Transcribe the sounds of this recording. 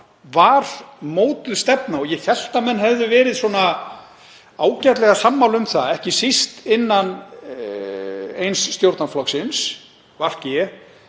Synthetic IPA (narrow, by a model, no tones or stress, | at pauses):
vaɾ̥moːwt̪ʏðst̪ɛpnaɔjɛθjɛl̥t̪amɛnːɦɛvðʏvɛːɾɪðswɔːna | aːwcɛt̪lɛɣasamːawlʏmθaɛhcɪsist̪ɪnːan | ejnsːt̪jowɾt̪naflɔksɪns | var̥cɪɛ